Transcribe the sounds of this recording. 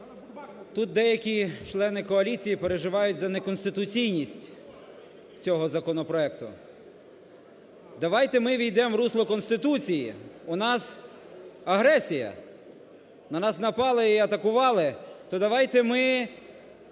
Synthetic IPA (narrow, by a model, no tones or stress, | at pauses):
t̪ut̪̚d̪ɛjɐkʲit͡ʃlˠɛnɪkɔɐlʲit͡sʲijipeɾeʒɪʋɑjʊtʲzɐnekɔnsʲt̪ɪt̪ʊt͡sʲijnʲisʲtʲ | t͡sʲɔɦɔzɐkɔnɔpɾɔɛkt̪ʊ̰ | d̪ɐʋɑjt̪ɛmɪʋʲijd̪ɛmʋɾuslˠɔkɔnst̪ɪt̪ut͡sʲijḭʊnɑs | ɐɦɾɛsʲijɐ̰ | nɐnɑsnɐpɑlˠɪiɐt̪ɐkʊʋɑlˠɪt̪ɔd̪ɐʋɑjt̪ɛmɪ